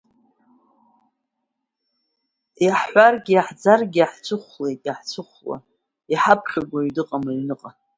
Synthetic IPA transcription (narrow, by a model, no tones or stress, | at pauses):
jaħħʷarɡʲiaħd͡zarɡʲiaħt͡sʷʰɨχʷle̞jtʼjaħt͡sʰɨχʷla̰ | iħapʰχʲaɡʷaɥdɨqʼamaɥnɨqʼa